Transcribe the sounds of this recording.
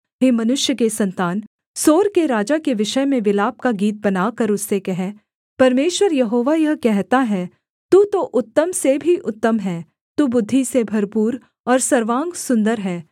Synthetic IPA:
ɦeːmɐnʊʃjəkesɐ̃nt̪aːn | soːɾkeɾaːd͡ʒakeʋɪʃəmẽʋɪlaːp̚kaɡiːt̪̬̚bɐnaːkɐɾʊsːekɛɦɛ | pɐɾmeːʃwəɾjɐɦoːʋajɐɦkɛɦt̪aɦɛː | t̪uːt̪oʔʊt̪ːəmsebʱiʔʊt̪ːəmɦɛː | t̪ubʊd̪ʱːisebʱɐɾpuːɾ | ɔːɾsɐɾʋãːŋɡsʊ̃nd̪əɾɦɛː

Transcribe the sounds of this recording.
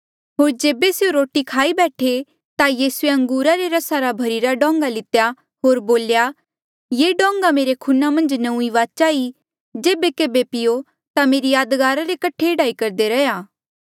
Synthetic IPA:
ɦoːɾd͡ʒeːbeseoɾoːʈikʰaːibɛːʈʰe | t̪ajiːsueɐ̃ŋɡuːɾaɾeɾɐsaɾabʱɐɾiːɾaɖɔ̃ːŋɡalɪt̪ja | ɦoːɾboːlja | jeɖɔ̃ːŋɡameːɾekʰunamɐ̃nd͡ʒnɐ̃ũiʋaːt͡ʃaːi | d͡ʒeːbekeːbepɪjo | t̪ameːɾijaːd̪ɡaːɾaɾekɐʈʰeɖaːikɐɾd̪eɾɐjaː

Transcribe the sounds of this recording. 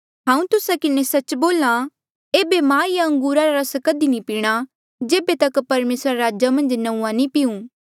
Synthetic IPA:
ɦãːũt̪ʊsakɪnesɐt͡ʃboːla | eːbemãːɪjaɐ̃ŋɡuːɾaɾaɾɐskɐd̪inĩpiːɽ̃a | d͡ʒeːbet̪ɐkpɐɾmeːsɾaɾaːd͡ʒamɐ̃nd͡ʒnɐũːãnĩpɪũ

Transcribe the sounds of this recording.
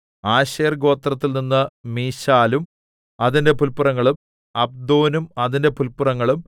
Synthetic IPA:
aːɕeːrɡo̞ːt̪rɐt̪ːilninːɨmiːɕaːlum | ɐðinde̞pulpurɐŋːɐɭum | ɐb̚d̪oːnumɐðinde̞pulpurɐŋːɐɭum

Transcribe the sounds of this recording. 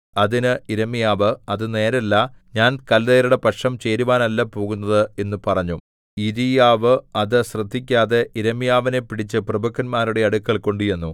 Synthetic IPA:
ɐðinɨiɾɐmijaːʋɨɐðɨne̞ːɾɐlːɐɲaːnkɐld̪ejɐɾuɽe̞pɐʈʂɐmt͡ɕe̞ːɾuʋaːnɐlːɐpo̞ːɣun̪ːɐðɨe̞nːupɐrɐɲːu | iðijaːʋɨɐðɨɕrɨd̪ʱːikʲːaːðe̞ʔiɾɐmijaːʋine̞piɽit͡ɕːɨprɐbɐkʰːɐnmaːɾuɽe̞ɐɽukːɐɭko̞ɳɖijenːu

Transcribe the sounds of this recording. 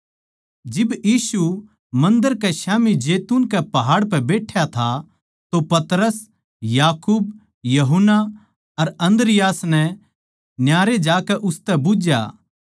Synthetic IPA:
d͡ʒɪbjiːsu | mɐ̃nd̪əɾkɛʃaːmid͡ʒeːt̪uːnkɛpɐɦaːɽpɛbeːʈʰjat̪ʰa | t̪opɐt̪ɾəs | jaːkuːb̚ | jɐɦʊnːa | ɐɾɐ̃nd̪əɾɪjaːsnɛ | njaːɾed͡ʒaːkɛʔʊst̪ɛbʊd͡ʒja̰

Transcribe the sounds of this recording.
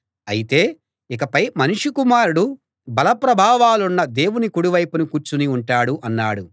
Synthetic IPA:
ɐ̰jit̪e̞ː | ikɐpɐjmɐnuʂukumaːɾuɽu | bɐlɐpɾɐbʱaːʋaːlunːɐd̪e̞ːwunikuɽuʋɐjpɐnukuːɾt͡ʃuniuɳʈaːɽuʔɐnːa̰ːɽu

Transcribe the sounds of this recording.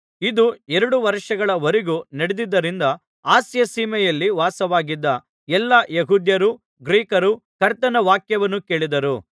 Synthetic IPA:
id̪uɛɾɐɽuʋɐɾʂɐɡɐɭɐʋɐɾiɡunɐɽed̪id̪ːɐɾind̪ɐ | aːsjɐsiːmɛjɐlːiʋaːsɐʋaːɡid̪ːɐ | ɛlːɐjeɦuːd̪jɐɾu | ɡɾiːkɐɾukɐɾt̪ɐnɐʋaːkjɐʋɐnːuke̞ːɭid̪ɐɾu

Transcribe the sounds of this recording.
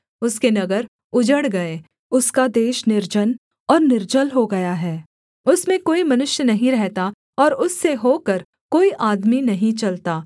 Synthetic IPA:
ʊskenɐɡəɾ | ʊd͡ʒəɽɡɐeː | ʊskad̪eːʃnɪɾd͡ʒən | ɔːɾnɪɾd͡ʒəlɦoɡɐjaɦɛː | ʊsmẽkoːimɐnʊʃjənɐɦĩɾɛɦt̪a | ɔːɾʊsːeɦoːkɐɾ | koːiʔaːd̪minɐɦĩt͡ʃɐlt̪aː

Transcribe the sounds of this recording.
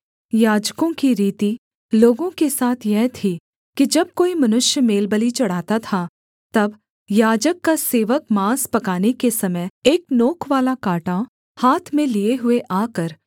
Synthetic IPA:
jaːd͡ʒkõkiɾiːt̪i | loːɡõkesaːt̪ʰjɛɦt̪ʰi | kid͡ʒɐb̚koːimɐnʊʃjəmeːlbəlit͡ʃɐɽ̤aːt̪at̪ʰa | t̪ɐb | jaːd͡ʒəkːaseːʋəkmaːspɐkaːnekesɐməjeːk̚noːkʰʋaːlakaːʈa | haːt̪ʰmẽlieɦʊeʔaːkəɾ

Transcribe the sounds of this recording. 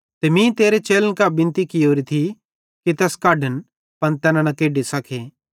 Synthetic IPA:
t̪eːmĩːt̪eːɾet͡ʃeːlənkabɪ̃nt̪ikɪoːɾit̪ʰi | kit̪ɛːskaːɖən | pɐnt̪ɛːnanɐkeːɖisɐkʰeː

